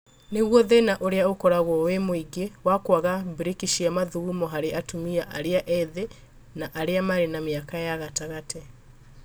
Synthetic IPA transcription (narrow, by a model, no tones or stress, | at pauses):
neɣwɔðenaʔoɾeaokɔɾaɣɔwemoiɡewakwaɣabiɾekiʃiamaðuumɔɦaɾeʔatumiaʔa̰ɾeaʔɛðe | naʔaɾeamaɾenameakajaɣataɣatʰɛ